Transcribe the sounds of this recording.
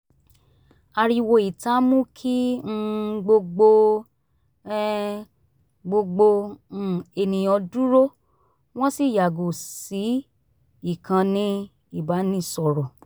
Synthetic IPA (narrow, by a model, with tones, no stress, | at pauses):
a˧ɾi˦˧wo˧i˨ta˨˦mũ˦kʰi˦n̩˦ɡ͡bo˧ɡ͡bo˧˦ | ɡ͡bo˧ɡ͡bo˧˦˨ | e˧nĩ˨ɔ˧du˦ɾo˦ | w̃ɔ̃˦si˦˨ja˨ɡu˨si˨˦ | i˦˨kʰã˧nĩ˧ | i˦˨ba˨˦nĩ˦˨sɔ˨ɾɔ˨